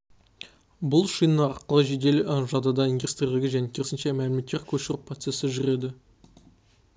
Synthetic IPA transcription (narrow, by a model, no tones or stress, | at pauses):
bʊlˠʃijnːəɑɾqəlˠəʒe̞d̪e̞lʒɑd̪ɑd̪ɑind̪ʲust̪rʲialʲɪɡʲɪʒæne̞kʲʰeɪsɪnʃemælɪmet̪ːe̞ɾkʲʰɵʃɪɾɪpro̞t̪se̞sɪʒʏɾe̞d̪ɪ